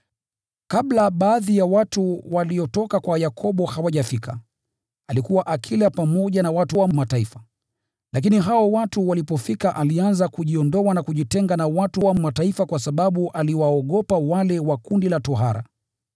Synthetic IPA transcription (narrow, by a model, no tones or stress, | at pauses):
kaɓlaɓaːðijawatuwaliɔtɔkakwajakʰɔɓɔhawaʄafikʰa̰ | alikuwaʔakʰilapamɔʄanawatuwammataifḁ | lak̬iniɦaɔwatuwalipɔfikaʔalianzakuʄiɔndɔwanakuʄitɛŋɡanawatuwammataifakwasaɓaɓuʔaliwaɔɠɔpawalɛwakundilatɔɦaɾa̰